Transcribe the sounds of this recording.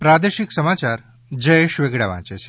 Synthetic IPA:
pɾad̪eʃiksəmat͡ʃaɾ | d͡ʒəjeʃʋeɡɽaʋã̰t͡ʃet͡ʃʰe̥

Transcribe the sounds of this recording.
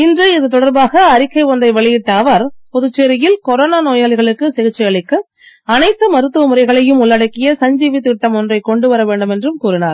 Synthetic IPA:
ɪndrɐɪðɯt̪ɔɽɐɾbaːɣɐːɾɪkːɐɪʋɔnd̪ɐɪʋɛɭɪjɪʈːaʋɐɾpɔðʊt͡ʃːeːɾɪjɪlkɔɾoːnaːnoːjaːɭɪɣɐɭɯkːɯsɛɣɪt͡ʃːɪjɐɭɪkːɯ | ɐnɐɪt̪ːɯmɐɾɯt̪ːɯʋɐmɯrɐɪɣɐɭɐjɯmʊɭːɐɽɐkːɪjɐsɐɲd͡ʒiːʋit̪ːɪʈːɐmɔndrɐɪkːɔɳɖɯʋɐɾɐʋeːɳɖɯmɛndrɯmkuːɾɪnaːɾ

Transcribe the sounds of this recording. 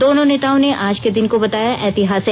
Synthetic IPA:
d̪oːnõneːt̪aːõneʔaːd͡ʒked̪ɪnkobɐt̪aːjaʔɛːt̪ɪɦaːse

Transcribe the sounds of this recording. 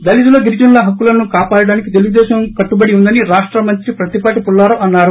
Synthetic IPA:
d̪ɐlit̪̬uloːɡiɾd͡ʒɐnlɐɦɐkːulɐnukaːpaːɽɐɽaːnikit̪̬e̞luɡud̪ɛːʃɐmkɐʈːubɐɽiund̪ɐniɾaːʂʈɾɐmɐnt̪ɾipɾɐt̪ipaːʈipulːaːɾɐɐnːaːɾu

